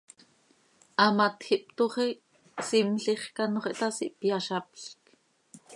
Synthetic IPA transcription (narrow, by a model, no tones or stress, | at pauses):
ʔɑmɑt̪xiʔp̚t̪uχi | simɬiχkɑnoχɛʔt̪ɑsiʔpjɑʃɑpɬk